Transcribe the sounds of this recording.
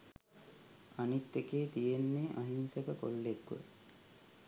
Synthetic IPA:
anit̪ːekeːt̪ijenːeʔaɦinsəkəko̰lːekʋə̰

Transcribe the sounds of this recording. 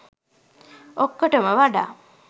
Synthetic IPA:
okːəʈəməʋaɖa̰ː

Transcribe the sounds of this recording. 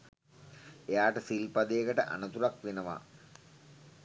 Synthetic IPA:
ejaːʈəsilpɐd̪eːɡəʈəʔa̰nɐt̪uɾakʋenɐʋa̰

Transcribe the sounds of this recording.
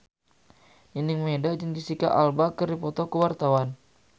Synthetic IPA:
ninɪŋmedad͡ʒəŋdisikaʔalbakəɾipɔt̪ɔkəwart̪awan

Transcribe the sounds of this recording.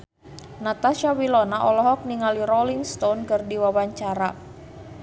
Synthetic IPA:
nat̪aʃawilɔnaʔɔlɔɦɔk̚niŋaliɾɔliŋst̪onkərdiwawaɲt͡ʃaɾa

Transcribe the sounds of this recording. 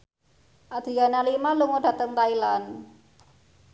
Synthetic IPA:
ʔad̪̥ɾianalimaluŋoɖa̤t̪əŋt̪ailan

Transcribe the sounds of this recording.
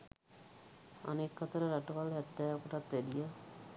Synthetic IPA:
a̰nekːat̪əɾəɾaʈuʋalɦɛt̪ːɛːʋokoʈat̪ʋeɖija

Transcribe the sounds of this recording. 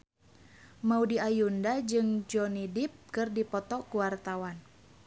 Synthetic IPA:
maudiajundad͡ʒɨŋd͡ʒɔnidip̚kɨrdipɔt̪ɔkuwart̪awan

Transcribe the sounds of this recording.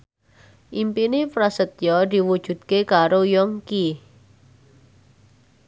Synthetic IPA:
ʔimpinepɾasət̪̚jɔd̪i̤wud̥ʒ̥ṳd̪̥̚kekaɾojɔŋki

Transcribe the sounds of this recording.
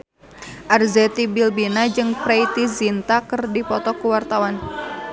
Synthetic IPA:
ʔarzɛt̪ibilbinad͡ʒɨŋpɾeajt̪izint̪akɨrdipɔt̪ɔkuwart̪awan

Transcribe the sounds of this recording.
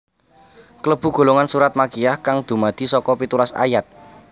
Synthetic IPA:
kələb̥ṳɡ̥o̤loŋansuɾat̪̚makijahkaŋd̪̥ṳmad̪̥i̤sɔkɔpit̪uɾasa̰jat̪̚

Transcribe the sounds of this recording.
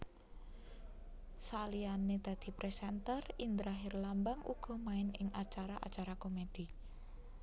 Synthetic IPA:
salianed̪̥a̤d̪̥i̤pɾɛsɛnt̪ərind̪ɾaɦɪrlambaŋʔṵɡ̥ɔ̤maɪnɪŋat͡ʃaɾaʔa̰t͡ʃaɾakomed̪̥i̤

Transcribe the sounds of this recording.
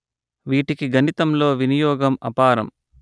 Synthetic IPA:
ʋiːʈikiɡʱɐnit̪ɐmlo̞ːʋinijɔːɡɐmɐpaːɾɐ̰m

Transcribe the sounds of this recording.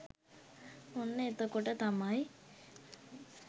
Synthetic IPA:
onːəet̪əkoʈət̪amaj

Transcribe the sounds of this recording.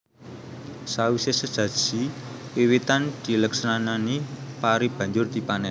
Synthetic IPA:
sawisesəd̥ʒ̥ä̤̥ʒ̥i | iwit̪and̪̥i̤ləksɾananipaɾib̥a̤ɲd͡ʒʊrd̪̥i̤panɛ

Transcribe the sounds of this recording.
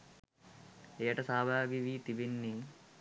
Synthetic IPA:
ejəʈəsaːbʱaːɡiʋiːt̪ibenːi

